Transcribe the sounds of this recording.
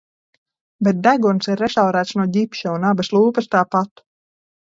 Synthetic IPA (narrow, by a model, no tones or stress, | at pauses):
bɛt̪̚d̪æɡunsiɾːɛʃawɾæːt̪snuɔɟʲipʃɛunabɐslˠuːpɨst̪aːpat̪u̥